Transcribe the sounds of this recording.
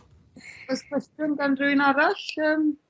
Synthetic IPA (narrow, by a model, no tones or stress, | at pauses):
ɛskʰɛstəmɡanrɪwɪnaɾaɬəːm